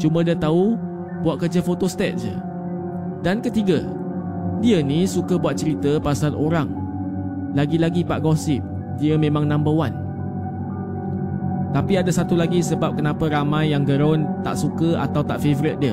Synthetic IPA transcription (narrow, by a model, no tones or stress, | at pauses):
t͡ʃumədiət̪au | buaʔ̪̚kərd͡ʒəfot̪ost̪ɛt̪̚d͡ʒə̰ | dankət̪iɡə | diənisukəbuat̪̚t͡ʃəɾit̪əpasalʔoɾaŋ | laɡilaɡipa̰ʔɡɔsɪp̚ | diəmẽmãŋnãmbəwan | t̪apiadasat̪ulaɡisəbap̚kənãpəɾamãjːaŋɡəɾɔnt̪a̰ʔsukəa̰t̪awt̪aʔfevoɾɪt̪̚diə